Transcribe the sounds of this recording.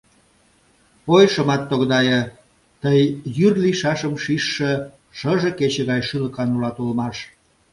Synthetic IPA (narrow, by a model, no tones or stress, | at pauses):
pojʃəmɑt̪ːoɣd̪ɑjə | t̪əjːyrliʃɑʃəmʃiʃːĕ | ʃəʒeket͡ɕeɣɑjʃyləkɑnulɑt̪ulmɑʃ